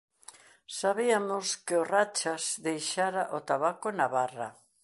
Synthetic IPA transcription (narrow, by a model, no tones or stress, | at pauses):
saβiamʊskɪorat͡ʃazðejʃaɾaʔot̪aβakʊnaβara̰